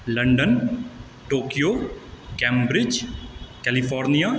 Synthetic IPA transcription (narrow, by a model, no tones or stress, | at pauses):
ləɳɖən | ʈoːkijoːkɛ̃ːmbɾɪd͡ʒkɛːlipʰɔːɾnijaː